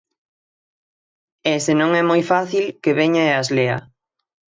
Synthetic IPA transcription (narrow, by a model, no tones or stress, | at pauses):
ɛsenõŋɛmojfaθilkeβeɲaeazlea̰